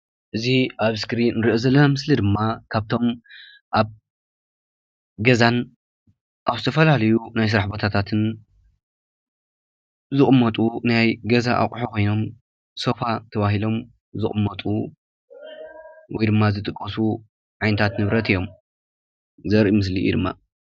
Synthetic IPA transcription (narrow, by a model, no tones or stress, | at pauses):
ʔɨziʔaβskɾinɨɾiʔozɐlːɐmɨslid̪ɨmːakʰaβt̪ʰo̞m | ʔaβ | ɡɐzan | ʔaβzɨt̪ʰɐfɐlalɐjunajs̬ɨɾaħbo̞t̪ʰat̪ʰat̪ʰɨn | zɨχʼmːɐt̪ʼunajɡɐzaʔa̰kʼħukʰo̞jno̞m | so̞fat̪ʰɐβaɦilo̞m | zɨχʼɨmːɐt̪ʼu | wɔjd̪ɨmːazɨt̪ʼɨkʼːɐsu | ʕajnɨt̪ʰat̪nɨβɾɐt̪ʰɨjːo̞m | zɐɾʔimɨs̬lḭṵd̪ɨmːa̰